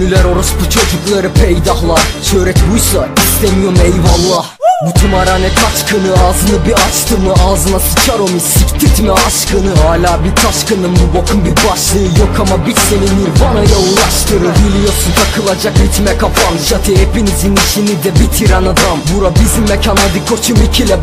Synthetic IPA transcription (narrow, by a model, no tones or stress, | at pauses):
nylʲæɾo̞ɾust̪ut͡ʃʰod͡ʒuklˠɑɾɯpʰejd̪ɑɦlˠat͡ʃʰøɾɛcbujsaist̪ʰɛmijo̞mejvɑlˠːɑhbut̪ʰumɑɾanɛkʰɑt͡ʃkʰɯnɯɑːzɯnɯbiɑt͡ʃt̪ʰɯmɯʔɑːzɯnasɯ̥t͡ʃʰaɾomisikʲt̪ʰit̪ʰmɛɑʃkʰɯnɯɦaːlʲaːbiɾt̪ʰɑʃkʰɯnɯnbubokʰunbiɾbɑʃlˠɯjokʰamabit̪seniniɾvanajaulˠɑʃt̪ʰɯɾɯɾbilʲijosunt̪ʰakʰɯlˠad͡ʒakit̪ʰmɛkʰafʰanʃat̪ʰiɛpʰinizinit͡ʃʰinid̪ɛbit̪ʰiɾænad̪ɑmbuɾabizimːɛcʰanːad̪ɯkʰot͡ʃʰumicʰilʲɛ